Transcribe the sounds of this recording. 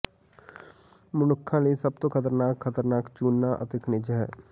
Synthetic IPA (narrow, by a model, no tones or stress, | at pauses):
mʊnʊkʰːãːləisəb̚t̪õːkʰət̪əɾnaːkʰːət̪əɾnaːkt͡ʃuːnːaːʔə̰t̪ekʰnɪd͡ʒɦɛː